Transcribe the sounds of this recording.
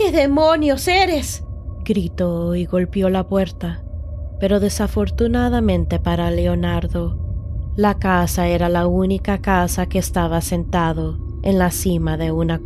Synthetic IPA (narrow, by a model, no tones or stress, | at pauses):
keðemonjoseɾesɡ̥ɾit̪oiɣo̞lpjo̞lapwe̞ɾt̪a | pe̞ɾo̞ðe̞safo̞ɾt̪unaðamẽ̞nt̪e̞paɾaleonaɾðo̞lakasaeɾalaunikakasake̞ːst̪aβase̞nt̪aðo̞ | enlasimaðe̞una